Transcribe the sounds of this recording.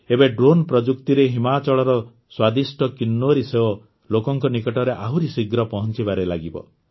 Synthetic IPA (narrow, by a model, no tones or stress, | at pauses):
ebeɖɾonpɾɔd͡ʒukt̪iɾeɦimat͡ʃɔɭɔɾɔ | swad̪isʈɔkinːuɔɾiseɦo | lokɔŋkɔnikɔʈɔɾeʔaɦuɾisiɡɾɔpɔɦɔnt͡ʃibaɾelaɡibɔ̰